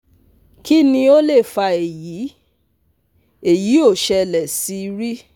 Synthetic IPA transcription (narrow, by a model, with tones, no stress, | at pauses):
ki˦nĩ˧o˦le˦˨fa˧e˨jiː˨˦ | e˦˨ji˨˦o˦˨ʃɛ˧lɛ˨si˨˧ɾi˦